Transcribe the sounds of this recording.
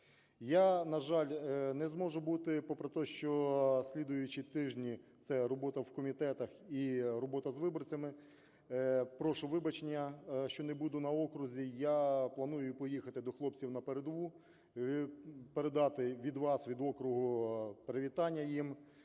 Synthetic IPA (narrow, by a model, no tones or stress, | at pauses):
janɐʒɑlʲnɛzmɔʒʊbut̪ɪpɔpɾet̪ɔʃt͡ʃɔsʲlʲid̪ʊjʊt͡ʃit̪ɪʒnʲit̪sɛɾɔbɔt̪ɐwkɔmʲit̪ɛt̪ɐxirɔbɔt̪ɐzʋɪbɔrt͡sʲɐmɪ | pɾɔʃʊʋɪbɐt͡ʃenʲːɐʃt͡ʃɔnɛbud̪ʊnɐɔkɾʊzʲijaplˠɐnujʊpɔjixɐt̪ɪd̪ɔxlˠɔp̚t͡sʲiwnɐpeɾed̪ɔʋu | peɾed̪ɑt̪ɪʋʲid̪ʋɑsʋʲid̪ɔkɾʊɦʊpeɾeʋʲit̪ɑnʲːɐjim